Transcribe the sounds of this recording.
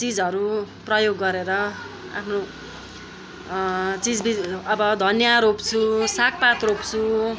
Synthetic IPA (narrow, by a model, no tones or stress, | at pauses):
t͡sid͡zʌɾuprʌjoɡːʌɾeɾʌ | a̰pʰno | t͡sid͡zbiʌbʌd̪ʱʌnjaɾopt͡sʰusak̚pat̪ropt͡sʰu